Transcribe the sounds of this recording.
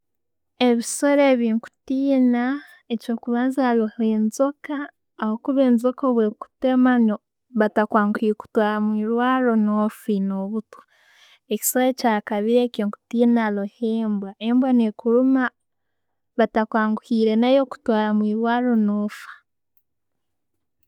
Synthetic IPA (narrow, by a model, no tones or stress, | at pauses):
e̞βisoɾeβiːŋku̥tiːna | et͡ʃo̞ːkuβaːnzaloheːnzokaː | hokuβeːnzokoβweku̥temano | βatakwaːŋɡuhiɾku̥twaːɾamwiːɾwaːɾo̞nofinoβuto̥ | eci̥soɾecaːkaβiɾekoːŋku̥tiːnaloheːmbwaembwanekuɾuma | βatakwaːŋɡuhiːɾe̞najo̞ku̥twaːɾamwiːɾwaːɾo̞nofḁ